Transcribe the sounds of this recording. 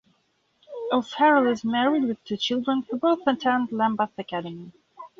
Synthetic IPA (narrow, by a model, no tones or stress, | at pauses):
əlˠshɛɹəlˠɪzmɛɹid̚wɨð̥tʰʉt͡ʃʰɪlˠdɹə̃nfə˞boʊθə̃tʰæ̃nlæ̃mbəθɨkʰæɾɨmi